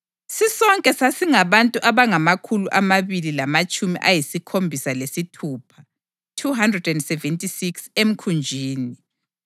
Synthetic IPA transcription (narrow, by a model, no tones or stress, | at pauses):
sisɔŋkʼɛsasiŋaβantʼuʔaβaŋamakʰuluʔamaβililamat͡ʃʼumḭʔajisikʰombʱisalesitʰuːpʰa | tʰuɦandrɛdɛndsɛvɛntʼisiksem̩kʰund͡ʒʱiːni